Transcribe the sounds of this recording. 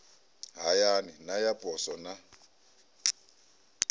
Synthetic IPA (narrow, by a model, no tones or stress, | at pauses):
ɦajaninajapʼɔsɔna